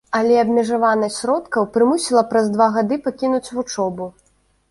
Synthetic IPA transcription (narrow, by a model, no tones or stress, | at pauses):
ɐlʲɛɐbmʲɛʐavanɐsʲsʲɾɔt̪kɐwpɾɨmusʲilˠɐpɾɐzd̪vaɣad̪ɨpakʲinut͡sʲvut͡ʂɔbu